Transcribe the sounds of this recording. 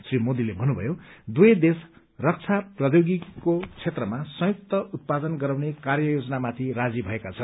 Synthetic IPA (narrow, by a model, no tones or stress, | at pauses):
srimod̪ilebʱʌnubʱʌ̰jod̪ujʌd̪es | rʌk̚t͡sʰaprʌd̪joɡikot͡sʰet̪rʌmasʌ̃juk̚t̪ʌʔut̪̚pad̪ʌnɡʌɾawnekarjʌjod͡zʌnamat̪ʰirad͡zibʱʌekat͡sʰʌn